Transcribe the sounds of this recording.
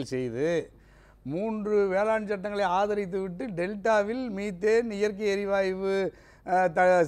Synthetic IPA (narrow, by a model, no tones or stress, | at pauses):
lsɛjðɯ | muːndrɯʋeːlaːɳt͡ʃɐʈːɐŋɡɐɭɐɪaːðɐɾɪt̪ːɯʋɪʈːɯɖɛlʈːaːʋɪlmiːt̪ːeːnɪjɐɾk̬ɐɪɛɾɪʋaːjʋɯ | t̪ɐ